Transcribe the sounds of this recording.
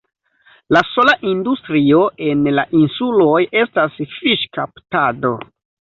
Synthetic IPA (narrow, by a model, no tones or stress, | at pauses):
laso̞laʔindustɾio̞ʔe̞nlaʔinsulo̞je̞stasfiʃkaptado̞